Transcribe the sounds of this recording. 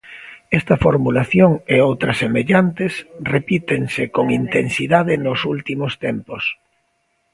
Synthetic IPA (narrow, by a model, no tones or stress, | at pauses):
ɛst̪ɐfoɾmulaθjoŋeowt̪ɾɐsemeʎant̪ɪsrepit̪eŋsɪkoŋint̪ensiðaðɪnosult̪imost̪ɛmpos